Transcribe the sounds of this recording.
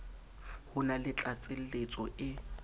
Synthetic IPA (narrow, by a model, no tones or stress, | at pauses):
hʊnalɪt͡ɬʼat͡sʼɪl̩let͡sʼɔʔɪ